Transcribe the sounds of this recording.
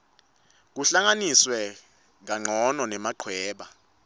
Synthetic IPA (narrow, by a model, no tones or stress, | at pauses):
k̬uɬaŋaniswɛ | ŋ̬aŋ͡ǀʱɔnɔnɛmaǃʰwɛːɓa